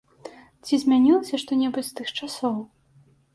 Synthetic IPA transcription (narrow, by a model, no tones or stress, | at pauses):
t͡sʲizʲmʲanʲilˠɐsʲɐʂt̪ɔnʲɛbut͡sʲst̪ɨxt͡ʂasɔw